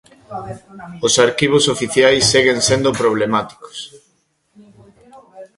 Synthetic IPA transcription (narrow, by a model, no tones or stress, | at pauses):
osaɾkiβ̞osofiθjajsːeɣensend̪opɾoβ̞lemat̪i̥ko̥s